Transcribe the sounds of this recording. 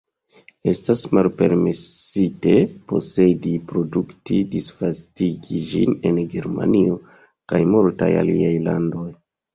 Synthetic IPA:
e̞stasmalpe̞ɾmesite̞po̞se̞dipɾo̞duktidisfastiɡid͡ʒine̞nɡe̞ɾma̰nio | kajmolta̰ja̰liajlando̞j

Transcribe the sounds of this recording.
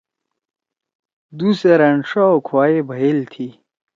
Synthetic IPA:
d̪useɾɐɳʂaokʰwaːjebʱɐjelt̪ʰi

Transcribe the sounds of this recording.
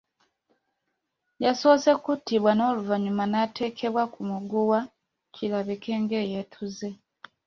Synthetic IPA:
jaso̞se̞kutːiβwano̞ːluvaɲumanatʰe̞ːkʰe̞βwakumuɡuwa | cʰilaβikʰe̞ːŋɡe̞ːje̞tʰuze̞

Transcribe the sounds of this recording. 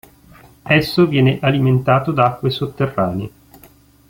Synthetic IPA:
ɛsːovjɛːneʔaliment̪aːt̪od̪aakːwesot̪ːerːaːnḛ

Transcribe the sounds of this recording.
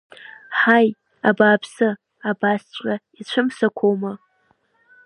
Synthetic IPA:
ħaj | abaːpʰsɨ | abast͡ɕʷʼait͡ɕʷʰʊmsakʷʰowma

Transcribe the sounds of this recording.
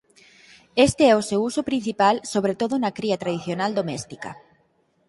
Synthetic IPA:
est̪eɛosewusʊpɾin̟θipalsoβɾet̪oðʊnɐkɾiɐt̪ɾaðiθjonald̪omɛst̪ikɐ̰

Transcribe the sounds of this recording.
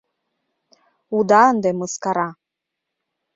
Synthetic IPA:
ud̪ɑənd̪emɯskɑɾɑ

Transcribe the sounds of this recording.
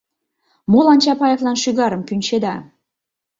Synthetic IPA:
molɑnʲt͡ɕɑpɑjevlɑnʃyɣɑɾəmkynʲt͡ɕed̪ɑ

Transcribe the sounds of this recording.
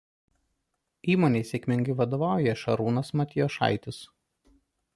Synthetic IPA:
iːmoːnʲeɪsʲekʲmʲɪŋʲɡʲɪʋɐd̪oːʋɑˑʊjɛʃɐɾuːnɐsmɐt̪ʲɪjoːʃɑ̰ˑɪt̪ʲɪs

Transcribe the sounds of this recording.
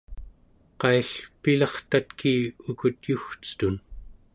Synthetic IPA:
qɑiɬpilɑχt̪at̪kʰiːukut̪juxt͡sɨ̥t̪un

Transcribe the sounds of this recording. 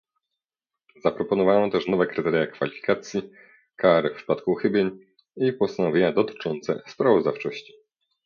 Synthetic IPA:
zapɾɔpɔnɔvanɔ̃t̪ɛʂnɔvɛkɾɘt̪ɛɾjakfalʲifʲi̥kat̪sʲji | kaɾɘfpʂɘ̥pat̪kuxɘbʲjeɲ | ipɔst̪anɔvʲeɲad̪ɔt̪ɘ̥t͡ʂɔnt̪sɛ̰spɾavɔzd̪aft͡ʂɔɕt͡ɕi̥

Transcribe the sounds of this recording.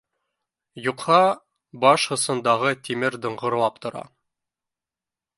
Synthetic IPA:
juqhɑ | bɑʃhɤ̆sɤ̆nd̪ɑʁɤt̪imɘɾd̪ɤ̆ɴʁɤ̆ɾlˠɑp̚t̪ŏɾɑ̰

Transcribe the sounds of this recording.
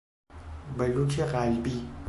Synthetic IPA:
bɐlut͡ʃʰeqaːlbi

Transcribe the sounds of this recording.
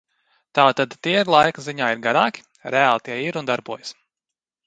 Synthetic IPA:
t̪aːt̪ad̪t̪iɛiɾlˠajkziɲaːiɾɡaɾaːkʲi̥ | ɾɛaːlˠt̪iɛiɾund̪aɾbuɔjs

